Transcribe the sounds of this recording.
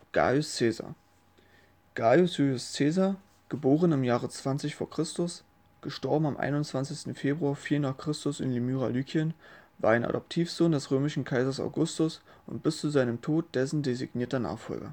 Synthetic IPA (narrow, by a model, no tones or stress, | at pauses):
ɡ̥a̰ːʊst͡seːza̰ | ɡ̥ajʊsjuʊst͡seːza | ɡ̥əboːʁənɪmjaːʁət͡sv̥ant͡sɪçfoːɐkʁ̥ɪstʊs | ɡ̥əʃtɔɐbm̩amʔa̰ɪnʊnt͡sv̥ant͡sɪçstn̩feːbʁuaɐfiːlnaːχkʁ̥ɪstʊsɪ̰nlimyːʁa̰lyːkʰjənvaːɐaɪnʔa̰dɔp̚tʰiːfz̥oːndɛsʁøːmɪʃn̩kʰaɪzɐsa̰ʊɡʊstʊs | ʊ̰ntb̥ɪst͡suzaɪnəmtʰoːt̚d̥ɛsn̩dezɪ̰ɡniːɐtɐna̰ːχfɔ̰lɡɐ̰